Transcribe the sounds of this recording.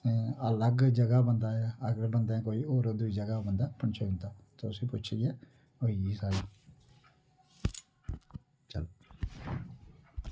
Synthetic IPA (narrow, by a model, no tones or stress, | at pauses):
t̪eːələɡd͡ʒəɡaːbənd̪aːɛəɡəɾbənd̪aɛ̃ːkoːiːoːɾoːd̪ʊiːd͡ʒəɡaːbənd̪aːpəɳt͡ʃʰoːɡɪnd̪aːt̪ʊsĩːpʊt͡ʃʰiɛː | oːiisal | t͡ʃə̰l